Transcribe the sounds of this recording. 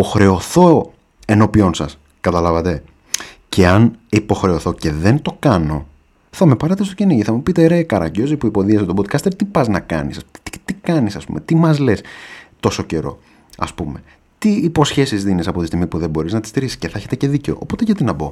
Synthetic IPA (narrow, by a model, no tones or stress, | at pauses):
po̞xɾe̞o̞θo̞ | e̞no̞pio̞nsɐs | kɐt̪ɐlɐvɐt̪e̞ | ce̞ɐnipo̞xɾe̞o̞θo̞ce̞ðe̞nt̪o̞kɐno̞̰ | θɐme̞pɐɾet̪e̞st̪ociniʝiθɐmupit̪eɾe̞kɐɾɐ̰ɟo̞zipuipo̞ðiɐset̪obod̪̚kɐst̪et̪ipɐznɐkɐ̰nisɐumit̪ikɐnisɐspṵmʔe̞t̪imɐzle̞st̪o̞so̞ce̞ɾo̞̰ | ɐ̰spume̞ | t̪iːpo̞sçe̞sizðinisɐpo̞t̪ist̪iɣmipuðe̞bo̞ɾiznɐt̪ist̪iɾisi̥sceθɐeçet̪e̞ce̞ðice̞o̞̰ʔːpo̞t̪e̞ʝɐt̪inɐbo̞